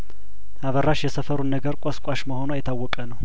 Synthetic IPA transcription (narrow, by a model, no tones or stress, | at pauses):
ʔaβərːaʃjɛsəfəɾunːəɡəɾkʷʼaskʼaʃməho̞noajːɛt̪ʰawːɔkʼənəw